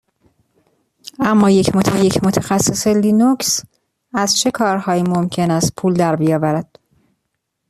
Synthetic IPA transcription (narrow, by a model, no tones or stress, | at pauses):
æmːɒːjecʰmot̪ʰjecʰmot̪ʰæxæsːeseliːnocs | æzt͡ʃʰe̞kʰɒːɾhɒːjiːmo̞mcʰe̞næst̪̚pʰuːld̪æɾbijɒːvæɾæd̪̥